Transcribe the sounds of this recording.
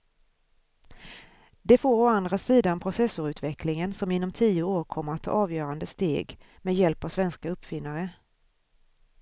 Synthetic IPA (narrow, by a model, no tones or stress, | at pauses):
d̪ɛfoːɾɔand̪ɾasiːd̪anpʰɾʊsɛsʊɾʉ̟ːt̪vɛkʰlɪŋənsɔmɪnːɔmt̪ʰiːʊoːɾkʰɔmːəɾat̪ʰːɑ̰ːɑːvjœːɾand̪əst̪ḛːɡ | mɛjɛlpavsvɛnskaɵpːfɪnːaɾə